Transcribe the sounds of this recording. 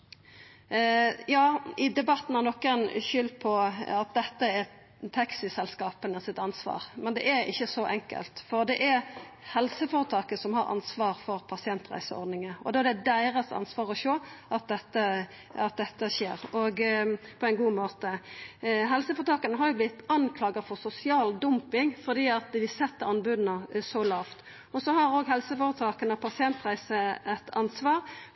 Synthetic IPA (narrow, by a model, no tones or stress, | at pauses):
jɑːɪd̪ɛbɑt̪ːn̩hæʁnɔkːəɛɪnʃʏlpʰɔɑt̪̚d̪ɛt̪ːəɛ | t̪ʰɑksɪsɛlskɑːpənəsɪt̪ɑnsʋɑ̰ːʁmɛnd̪ɛ̰ʔɛɾɪ̰çːəsɔʔɛŋkə̰lt̪fɔʁd̪ɛʔɛhɛlsəfoːɾət̪ʰɑːkəsɔmhɑɾɑ̰nsʋɑːʁfɔʁpʰɑsɪɛnt̪ʁæ̰ɪsəɔ̰ɾd̪nɪŋəɔ̰d̪oːd̪ɛd̪æɪʁəsɑ̰nsʋɑːʁɔʃøːʔɑt̪̚d̪ɛt̪ːə | ɑt̪̚d̪ɛt̪ːəʃḛːɾɔɡpʰɔæɪnɡuːmoːt̪ə | ɦɛlsəfoːʁət̪ɑːkənəɦɑɾjʊblɪt̪ːɑnkʰlɑːɡəʁfɔʁsʊsɪɑːld̪ʊmpɪŋfɔd̪iːɑt̪ʋɪsɛt̪ːəɾɑnbʉd̪nəsɔlɑːft̪ | ɔsɔhɑɾoːɡɦɛlsəfoːɾət̪ʰɑːkənɑpʰɑsɪɛnt̪ʁæɪsəɛt̪ʰɑnsʋɑːʁ